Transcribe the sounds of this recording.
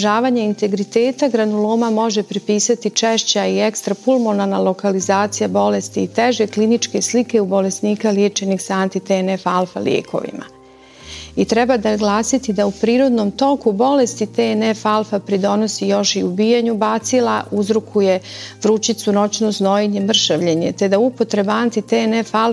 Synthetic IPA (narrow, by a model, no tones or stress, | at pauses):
ʒaːʋaɲeint̪e̞ɡɾit̪e̞ːt̪aɡɾanuloːmamo̞ʒe̞pɾipiːsat̪it͡ʃeʃt͡ɕaiekst̪ɾapulˠmonanalˠo̞kalizaːt̪sijabo̞le̞st̪iːt̪eʒe̞klinit͡ʃke̞slike̞ubo̞le̞sniːkaljeːt͡ʃe̞nixsaant̪it̪enefalˠfa̰ljeːko̞̰ʋḭma̰ | it̪ɾɛbad̪aɡlˠaːsit̪id̪aupɾiːɾo̞d̪no̞mt̪o̞kubo̞le̞st̪it̪enefalˠfapɾid̪o̞nosijo̞ʃiubiːjaɲubat̪silaʔuzɾokʰuje̞ʋɾut͡ɕit̪suno̞t͡ɕnozno̞jeɲe̞mr̩ʃaʋʎeɲet̪e̞d̪aupo̞t̪ɾebaant̪it̪enefal